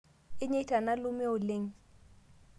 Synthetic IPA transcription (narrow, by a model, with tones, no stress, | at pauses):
ɪ˦ɲe˦tʰa˨na˦lʊ˦mɛ˦ʊ˨lɪ˦ŋ̩˦